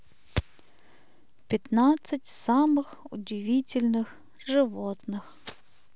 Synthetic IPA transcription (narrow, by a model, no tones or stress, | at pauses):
pʲɪt̪nat̪sɨtʲsamɨxʊ̰dʲɪvʲitʲɪlʲnɨx | ʐɨvot̪nɨx